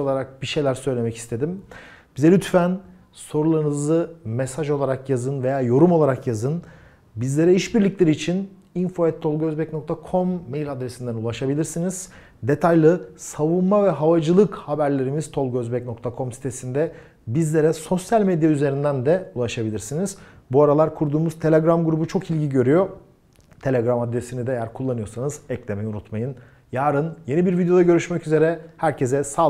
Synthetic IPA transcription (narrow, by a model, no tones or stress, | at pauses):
olˠaɾak̚biʃe̞jlʲæɾsø̞jlʲe̞mɛci̥st̪ʰe̞d̪im | b̥izɛlʲyt̪fæn | so̞ɾulˠaɾɯnɯzɯmesaʒo̞lˠaɾakjazɯnve̞jaːjo̞ɾumolˠaɾakjazɯn | bizlʲe̞ɾɛiʃbiɾlʲiclʲe̞ɾiːt͡ʃʰin | info̞ɛt̪ʰːo̞lˠɡø̞zbɛcnok̚t̪ʰakʰo̞mːejlʲad̪ɾesind̪ænulˠaʃabilʲiɾsiniz̥ | d̪e̞t̪ʰajlˠɯsavunmavɛɦavad͡ʒɯlˠɯkhabæɾlʲe̞ɾimiz̥t̪ʰo̞lˠɡøzbɛcno̞k̚t̪ʰakʰo̞msi̥t̪ʰe̞sind̪ɛ | bizlʲe̞ɾɛso̞sjalʲmed̪jayze̞ɾind̪ænd̪ɛulˠaʃabilʲiɾsiniz̥buaɾalˠaɾkʰuɾd̪uːmuz̥t̪ʰe̞lʲeɡɾamɡuɾubut͡ʃʰo̞kilʲɟiɟø̞ɾyjo̞ | t̪ʰe̞lʲeɡɾamad̪ɾe̞sinid̪ɛejæɾkʰulˠːanɯjo̞sanɯzɛclʲemɛjiunut̪majɯn | jaːɾɯnje̞nibiɾvid̪jo̞d̪aɟø̞ɾyʃmɛcyze̞ɾɛhæɾcʰe̞zɛsa